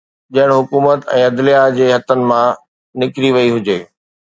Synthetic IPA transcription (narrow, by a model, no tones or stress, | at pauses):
d͡ʑɐ̃ɦɪɽ̃ɦʊkuːmət̪ɛ̰̃ːɐd̪lijad͡ʑeːɦɐt̪ənɪ̆mã | nɪkɾiʋɐiɦʊd͡ʑeː